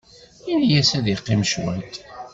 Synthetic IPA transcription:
injæsæðiqːimʃwæ̰t̪

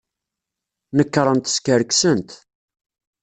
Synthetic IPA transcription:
nəkːɾˤənt̪skəɾksənt̪

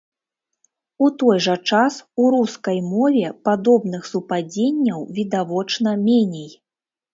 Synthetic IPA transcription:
ut̪ɔjʐɐt͡ʂasuɾuskɐjmɔvʲɛpad̪ɔbn̪ɨxsupad͡zʲenʲːɐwvʲid̪avɔt͡ʂnɐmʲenʲej

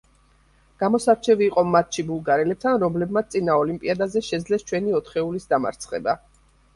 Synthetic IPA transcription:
ɡ̥amɔsaɾt͡ʃʰɛviːqʼɔmːat̪̚ʰʃibulˠɡaɾɛlɛp̚t̪ʰanɾɔmlɛbmat̪t̪sʼinaɔlimpʼiad̪azɛʃɛd̪zlɛst͡ʃʰwɛniɔt̪ʰχɛulisd̪ama̰ɾt̪sʰχɛ̰ba

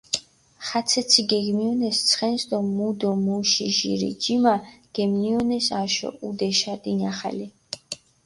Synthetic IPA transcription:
χat̪sʰɛt̪sʰiɡɛɡmiɔnɛst̪sʰχɛnsd̪ɔmud̪ɔmuʃiʒḭɾḭd͡ʒimaɡ̥ɛmniɔnɛsaʃɔ̰ʔud̪ɛʃad̪inaχa̰li

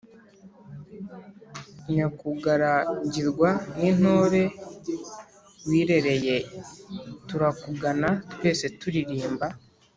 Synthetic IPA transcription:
iɲakuɡaɾaɲɟiɾɡwanin̥ho̞ːɾe̞ | wiːɾe̞ɾe̞je̞ | tuɾakuɡanatwe̞ːse̞tuɾiɾiːmba

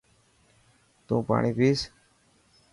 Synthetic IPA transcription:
t̪õːpa̰ːɳiːpiːs

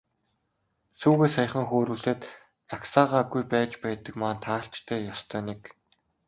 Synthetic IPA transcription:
suːɣeːsaj̆χə̆ŋxoːɾuːɮeːt̪ | t͡saksaːʁaːɡujpæːt͡ɕpæːt̪ə̆kmaːnt̪ʰaːɬt͡ɕt̪ʰæːjɔst̪ʰœːnek

